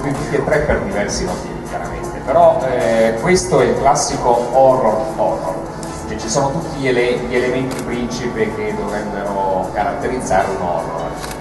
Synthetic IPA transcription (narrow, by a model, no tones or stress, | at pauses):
piik̪ːet̪ːɾɛpːerd̪ivɛrsimot̪iːvikʲja̰ɾa̰ment̪epeɾɔɛkwest̪oɛilklasːikoɔroɔro̰r | t͡ʃɛt͡ʃːisoːnot̪ut̪ːiʎeleʎielement̪ipɾint͡ʃipik̟ed̪ːovɾɛbːeɾokaɾat̪ːeɾid̪zːaːɾeunɔ̰ro̰